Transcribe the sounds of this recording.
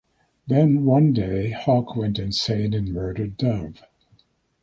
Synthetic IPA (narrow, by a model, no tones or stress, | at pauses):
ðɨ̃nwʌ̃ndeɪhɑkʰwɛ̃ntɨ̃nsẽɪ̃nɨ̃nmɜ˞ɾə˞dʌv̥